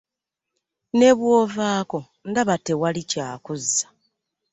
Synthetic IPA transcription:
ne̞βwoːvaːko̞ | ŋɡaβate̞walicaːkuzːḁ

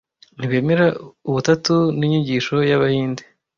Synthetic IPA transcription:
niβeːmeɾauβutatuniɲiɟiːʃo̞jaβahiːnde

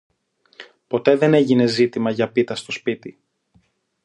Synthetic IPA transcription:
po̞t̪e̞ðe̞ne̞ʝine̞zit̪imɐʝɐpit̪ɐst̪o̞spit̪i

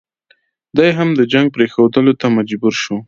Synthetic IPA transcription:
d̪ajɦamd̪əd͡ʒaŋɡ̚pɾexawd̪əlot̪amad͡ʒbuɾʃu

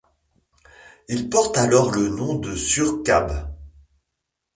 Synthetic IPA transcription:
ilpɔʁt̪alɔʁlənɔ̃d̪əsyʁka̰b

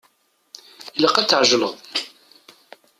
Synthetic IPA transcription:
ələqːæt͡sːəʕʒləðˤ

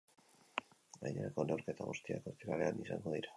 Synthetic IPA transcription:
ɡajɲeɾako̞nowɾke̞t̪aβost̪ia̰ko̞t̪iɾale̞anisa̰ŋɡo̞ðiɾa

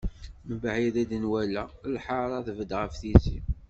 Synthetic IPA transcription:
məbʕiðæd̪ənwælælħaɾˤɑðəvəd̪ʁəfθisi

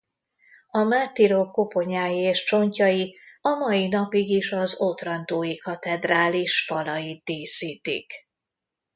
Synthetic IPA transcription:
ɒmaːt̪iɾokːo̞po̞ɲaːjieːʃt͡ʃo̞ɲcɒjiɒmɒjinɒpiɡiʃɒzot̪rɒnt̪oːjikɒt̪ɛd̪raːliʃfɒlɒjit̪̚d̪eːsiːt̪ḭk

